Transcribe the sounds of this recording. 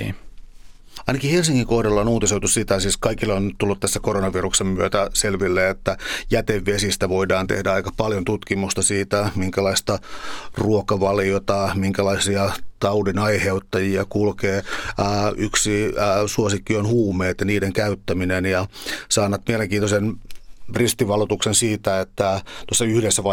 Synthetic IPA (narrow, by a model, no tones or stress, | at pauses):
ɑinɑkihelsiŋkiŋkohdɑlːɑonuːt̪iseut̪ussit̪æsiːskɑikilːont̪ulːut̪t̪æsːækoronɑʋiruksemmyøt̪æselʋilːeːet̪ːæjæt̪eʋːesist̪æʋoidɑːnt̪ḛhdæɑikɑpɑljont̪ut̪kimust̪ɑsiːt̪æmiŋkælɑist̪ɑruokɑʋɑliot̪ɑmiŋkælɑisiɑt̪ɑudinɑiheut̪ːɑjiɑkulkeː | ʔyksisuosikːionhuːmeːt̪jɑniːdeŋkæyt̪ːæminenjɑsɑːnːɑt̪mieleŋkiːnt̪osenrist̪iʋɑlut̪uksensiːt̪æet̪ːæt̪uosːɑyhdesːæʋɑ